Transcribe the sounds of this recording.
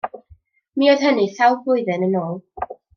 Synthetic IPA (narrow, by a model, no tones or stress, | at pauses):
miːoð̥ɦəniθawbʊɨðɨnənoːlˠ